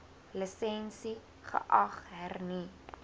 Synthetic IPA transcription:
ləsɛnsi | χə̰ʔɐχɦærni

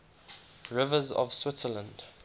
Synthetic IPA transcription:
ɹɪvəzɔ̰v̥swɪtsələ̃nd̥

